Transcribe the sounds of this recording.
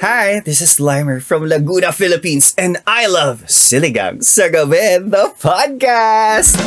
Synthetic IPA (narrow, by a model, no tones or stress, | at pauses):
haɪðɪsɨslãɪ̃mə˞fɹʌ̃mlɐɡuːnəfɪlɨpĩnsɨ̃ndaɪlʌv̥sɪlˠiɡʌ̰̃ŋsoɡoʊbɛnðəpʰɑd̚kæst̚